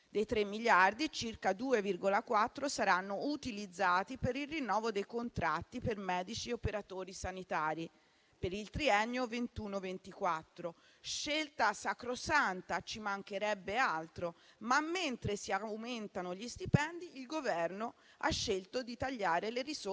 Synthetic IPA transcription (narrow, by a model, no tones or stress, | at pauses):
d̪ejt̪ɾemːilard̪it͡ʃirkad̪uːevirɡolakwat̪ːɾosaɾanːout̪ilid̪zːaːt̪ipeɾilrinːɔːvod̪ejkont̪ɾa̰t̪ːipermɛːd̪it͡ʃiopeɾat̪oːɾisanit̪aːɾi | peɾilt̪ɾiɛnːovent̪uːnovent̪ikwat̪ːɾo | ʃelt̪asakɾosant̪at͡ʃimaŋkeɾɛbːealt̪ɾomamːent̪ɾesiawment̪anoʎist̪ipɛnd̪iːlɡovɛrno | a̰ʃːelt̪od̪it̪aʎːaːɾeleris